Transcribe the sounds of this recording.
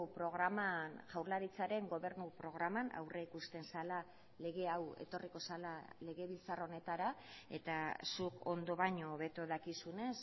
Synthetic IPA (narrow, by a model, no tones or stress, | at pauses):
pɾo̞ɣɾamanʝawɾlaɾit͡saɾe̞ŋɡo̞βe̞ɾnupɾo̞ɣɾamana̰wrʔeikust̪e̞nsala | le̞ɣe̞awe̞̰t̪o̞riko̞salale̞ɣe̞βilt͡saro̞ne̞t̪aɾae̞̰t̪asuko̞nd̪o̞βaɲo̞ːβe̞t̪oðakisune̞s